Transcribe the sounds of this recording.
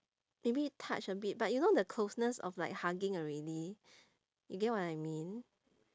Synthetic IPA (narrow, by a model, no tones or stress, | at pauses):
mebitʰa̰t͡ʃəbit̚bat̚junodəkʰlosnəsɔ̰flaɪk̚haɡɪ̃ŋɔɹɛdi | juɡɛt̚wɔtajmĩn